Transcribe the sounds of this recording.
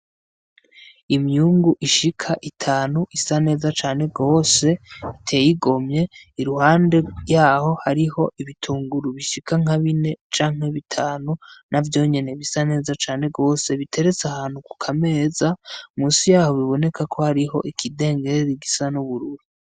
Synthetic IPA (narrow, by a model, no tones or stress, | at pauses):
imɲuːŋɡuʔiʃikʰaʔitʰaːnuʔisane̞ːzat͡ʃaːn̥e̞ɡo̞ːse̞itʰe̞ːjiɡo̞mɲe̞iɾuhaːnde̞jaːho̞haɾiho̞ʔiβitʰuːŋɡuɾuβiʃikaŋ̥aβine̞t͡ʃaːŋ̥he̞βitʰaːnunʔavjo̞ːɲe̞ne̞βisane̞ːzat͡ʃaːne̞ɡo̞ːse̞βitʰe̞ɾe̞t͡sahaːn̥huku̥kʰame̞ːzamuːnsijaːho̞βiβo̞ne̞kʰakʰo̞haɾiɦo̞̰ʔikʰide̞ːŋɡe̞ɾɾiɡisanuβuɾuɾu